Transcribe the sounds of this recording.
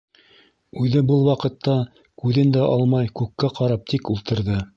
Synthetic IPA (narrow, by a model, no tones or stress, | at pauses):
ʉðɘbɤlˠwɑqɤ̆t̪ːɑ | kʉðɘnd̪æʔɑlˠmɑjkʉkːæqɑɾɑp̚t̪ʰikulˠt̪ɤ̆ɾðɤ